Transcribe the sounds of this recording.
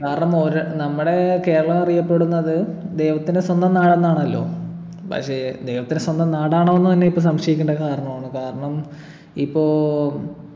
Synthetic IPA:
kaːɾɐɳɐmoɾnɐmːuɽe̞ke̞ːɾɐɭɐmɐrijːɐpːe̞ɽunːɐðɨd̪e̞jʋɐt̪ːindeswɐnd̪ɐmnaːɽenːaːɳɐlːo̞ː | pɐ̰kʂe̞ːd̪ejʋɐt̪ːindeswɐnd̪ɐmnaːɽaːɳoːenːut̪ɐnːe̞ipːoːsɐmɕɐjikʲːuɳɖɐðkaːɾɐɳɐmaːɳɨkaːɾɐɳɐm | ipːo̞ː

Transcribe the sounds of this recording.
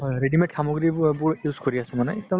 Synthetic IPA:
ɦɔjɹedimɛ̃ntsamoɡɹibʊɹɛbʊɹjuzkoɹiasɛmanɛita

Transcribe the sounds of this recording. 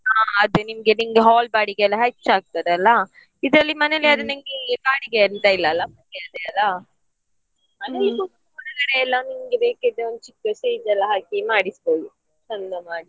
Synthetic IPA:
ɦaːɐd̪unimɐɡenimɐɡeɦaːlbaːɽiɡelːɐɦɐt͡ʃːaːɡ̚t̪ad̪eɐlːɐ | id̪ɾɐlːimɐneliɐd̪unimɐɡekaːɽiɡeɐɾt̪ailːɐːlːɐmɐkeɐd̪eɐlːɐ | mɐnelisuɐ | ɐnɐɡɐɽelːɐnimɡebeːked̪eond̪ut͡ʃikːɐseːd͡ʒɛlːɐɦaːkimaːɽisboːdi | t͡ʃɐnd̪ɐmaːɽi

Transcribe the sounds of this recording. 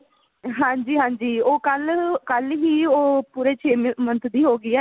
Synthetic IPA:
ɦãːɲd͡ʒiːɦãːɲd͡ʒiːoːkəlkəlɦiːoːpuːɾeːt͡ʃʰeːmmənt̪d̪iːɦoːɡiːɛː

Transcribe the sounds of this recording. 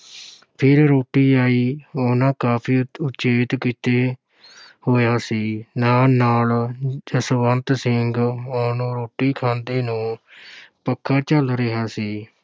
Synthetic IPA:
pʰɪɾɾoːʈiːaːiːonãːkaːpʰiːʊt͡ʃeːt̪kɪt̪eː | hoːjaːsiːnaːnaːld͡ʒəsʋənt̪sɪŋɡoːnũːɾoːʈiːkʰãːnd̪eːnũː | pəkʰːaːt͡ʃəlɾɪɦaːsiː

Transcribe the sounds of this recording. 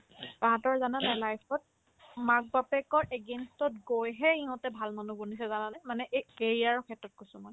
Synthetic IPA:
taɦatɔɹzananalajpʰɔt̚ | mak̚bapɛkɔɹʔeɡenstɔtɡojɦɛiɦɔ̃tɛbʱalmanubunisɛzananɛmanɛʔkeɹiaɹɔkʰɛtɹɔt̚kosʊ̃mɔj

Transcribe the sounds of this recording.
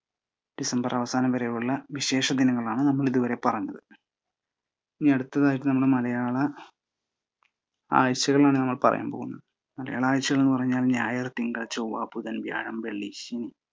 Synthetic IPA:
ɖ̥isɐmbɐrʔɐʋɐsaːnɐmʋɐɾejuɭːɐʋiɕe̞ːʂɐd̪inɐŋːɐɭaːɳɨnɐmːɐɭiðuʋɐɾe̞pɐrɐɲːɐðɨ | niːɐɽut̪ːɐðaːjiʈːɨnɐmːɐɽemɐlɐjaːɭɐ | a̰ːjɐɕːɐɣɐɭaːɳɨnɐmːɐɭpɐrɐ̰ja̰ːmpoːɣunːɐðɨ | mɐlɐ̰ja̰ːɭɐaːjɐɕːɐɣɐɭe̞nːɨpɐrɐɲːaːlnaːjɐrt̪iŋɡɐɭt͡ɕowʋaːpuðɐnbja̰ːɻɐmbeɭːiɕini

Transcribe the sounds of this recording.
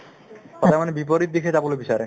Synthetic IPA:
kɔt̪aɾmanebipoɾit̪̚d̪ikʰet̪abolobiʃɔjɾe

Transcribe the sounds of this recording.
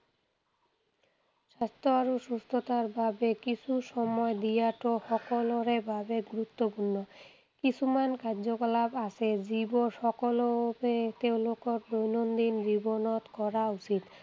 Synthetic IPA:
ʃast̪oaɾuʃust̪ʰot̪aɾbʱabekit͡ɕʰuʃɔmɔed̪iaʈohɔkoloɾebʱabeɡuɾut̪ːopuɾːo | kit͡ɕʰumankaɾd͡ʑoklabasʰed͡ʑiboʃɔkolobet̪ewlokoɾbojnond̪ind͡ʑibonot̪kɔɾaut͡ɕit̪

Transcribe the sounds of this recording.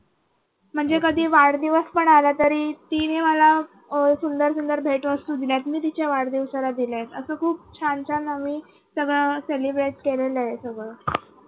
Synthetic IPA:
m̤əɳd͡zekəd̪ʱiːʋaɽd̪iʋəspəɳalat̪əɾiːt̪ineməla | sund̪əɾsund̪əɾbʱeʈʋəst̪uːd̪iljat̪miːt̪̬it͡ɕjaʋaɽd̪iʋsəɾad̪iljet̪əsəːkʰuːp̚t͡ɕʰant͡ɕanamiː | səɡɭəselibɾeʈkeleləjesəɡɭə

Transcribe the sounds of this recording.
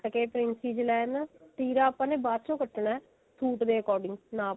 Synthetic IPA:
ʈkeːpɾɪ̃nsiːd͡ʒlɛːnat̪iːɾaːpːãːneːbaːd̪t͡ʃõːkəʈːɳaː | suːʈɾeːəkɔːɾɖɪŋɡnãː

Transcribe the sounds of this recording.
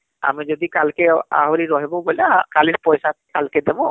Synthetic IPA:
a̰mid͡ʒɔd̪ikalkɛa̰ɦɔɾiɾɔɦɛbɔbolakaliɾpɔjsatkalkɛd̪ɛbɔ

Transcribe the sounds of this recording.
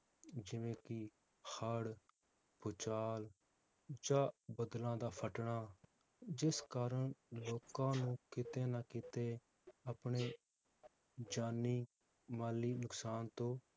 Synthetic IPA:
d͡ʒɪʋẽːkɪ | xəɽ | pʰʊt͡ʃaːl | d͡ʒaːbəd̪lãːd̪aːpʰəʈɳaː | d͡ʒɪskaːɾəɳloːkãːnũːkɪt̪eːnaːkɪt̪eː | əpɳeː | d͡ʒaːniː | maːliːnʊksaːnt̪õː

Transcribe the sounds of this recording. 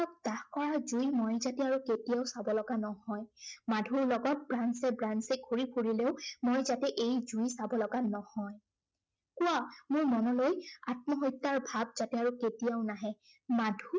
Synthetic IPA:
ɔk̚dahkɔɹazujmɔjzatɛaɹuketijaʊsabɔlɔɡanɔhɔjmadʱuɹlɔɡɔt̚bɹansɛbɹansɛkʰuɹipʰuɹileʊmojzatɛʔejzujsabɔlɔɡanɔhɔj | kuamʊɹmɔnɔlojat̚mɔɦɔjtːaɹbʱab̚z̥atɛaɹuketijaʊnaɦɛ | madʱu

